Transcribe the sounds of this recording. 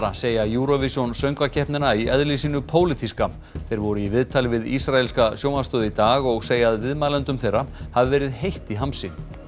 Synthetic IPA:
aseːjajuːɾɔvisɔnsœɥŋkvacʰɛhpnɪnaiʔɛðlisiːnʏpʰoːwlɪt̪ʰiska | θejɾvɔɾʏivɪðt̪ʰaːlɪvɪðisɾaɛlskasjoːwmast̪œːðɪit̪aːɣɔɣseːjaðvɪðmaːlɛnt̪ʏmθejrːahavɪvɛːɾɪðhejht̪iɦamsɪ

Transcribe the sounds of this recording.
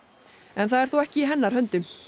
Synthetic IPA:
ɛnθaðɛɾθuwɛhcɪiɦɛnːaɾ̥hœnt̪ʏm

